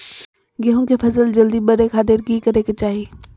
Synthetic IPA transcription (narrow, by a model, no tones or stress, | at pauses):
ɡɐɦõkefɐzəld͡ʒɐld̪iɓɐɾekʰaːd̪eɾɡiːkɐɾeket͡ʃaːɦi